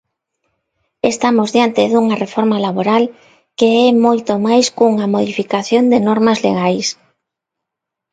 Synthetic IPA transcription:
est̪amozðjant̪ɪðuŋarefoɾmalaβoɾal | keɛmojt̪omajskuŋamoðifikaθjond̪ɪnɔɾmazlḛɣajs

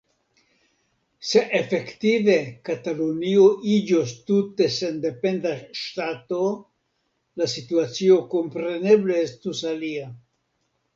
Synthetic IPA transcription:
se̞ʔefe̞ktive̞kat̪alunioʔid͡ʒost̪ute̞se̞nde̞pe̞ndaʃtat̪o̞ | lasituat͡sio̞ko̞mpɾe̞ne̞ble̞est̪usalia

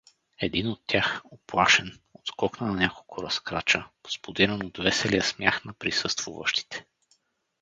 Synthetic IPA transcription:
ɛd̪inot̪ːʲjaxoplˠaʃɛn | ot̪kɔknənɐnʲakolˠkʰʊɾɐskɾat͡ʃəo̥spod̪iɾənod̪vɛsɛliəsmʲjaxnɐpɾisɤst̪v̥ṵvə̰ʃt̪i̥t̪ɛ̥

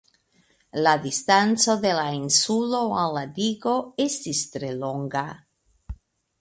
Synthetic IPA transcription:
lad̪ist̪ant͡so̞d̪e̞lainsuloallad̪iɡo̞est̪ist̪ɾelo̞ŋɡa

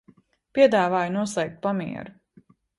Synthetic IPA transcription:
pʲiɛd̪aːvaːjunuɔslˠɛjk̚t̪̚pamḭɛ̰ɾu

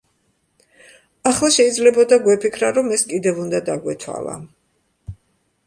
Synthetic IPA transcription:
aχlˠaʃɛid̪zlɛbɔd̪aɡwɛpʰikʰɾaɾɔmɛskʼid̪ɛvund̪ad̪aɡwɛt̪ʰwa̰lˠa̰

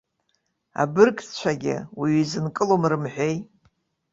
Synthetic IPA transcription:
a̰bɨrkʼt͡ɕʷʰaɡʲɪ̰wiɥizɨnkʼɨlomrɨmħʷᶣe̞j

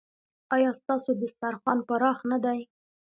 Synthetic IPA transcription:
ɑjɑst̪ɑsod̪əst̪aɾxwɑnpəɾɑxnad̪aj

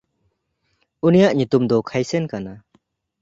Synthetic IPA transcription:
unijaʔɲit̪umd̪ɔkʰajsɛnkana

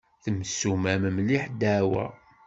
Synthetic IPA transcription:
θəmsumæməmliħd̪æwæ̰

